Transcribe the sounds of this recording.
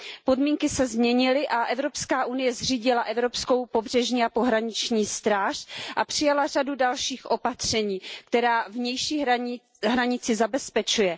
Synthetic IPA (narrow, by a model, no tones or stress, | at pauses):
po̞dmiːŋkɪsɛzmɲɛɲɪlɪʔaʔɛvɾo̞pskaːʔunɪjɛzr̝iːɟɪlaʔɛvɾo̞psko̞wpo̞br̥ɛʒɲiːapo̞ɦɾaɲɪt͡ʃɲiːst̪ɾaːʃʔapr̥ɪjalar̝adudalʃiːxʔo̞pat̪r̝̥ɛɲiːk̚t̪ɛɾaːvɲɛjʃi | ɦɾaɲɪt͡sɪzabɛspɛt͡ʃujɛ